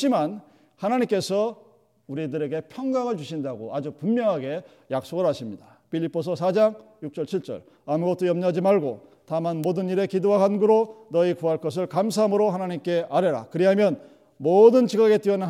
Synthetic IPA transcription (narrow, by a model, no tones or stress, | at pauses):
iman | hanaɲimk͈e̞sʰʌ | uɾidɯɾe̞ɡe̞pʰjʌŋɡaŋɯɭt͡ɕuɕʰindaɡoad͡ʑupummjʌŋɦaɡe̞ | jak̚s͈oɡɯɭɦaɕʰimɲidḁ | pʰiʎːip͈os̬ʰʌs̬ʰad͡ʑaŋjuk̚t͡ɕ͈ʌɭt͡ɕʰiɭt͡ɕ͈ʌ̰ɭ | amuɡʌt̚t͈ojʌmɲad͡ʑimaɭɡotamanmodɯniɾe̞kidoakanɡuɾonʌikuɦaɭk͈ʌs̬ʰɯɭkams̬ʰaɦamɯɾohanaɲimk͈e̞ʔaɾeɾa̰kɯɾiɦamjʌn | modɯnt͡ɕiɡaɡe̞t͈iʌn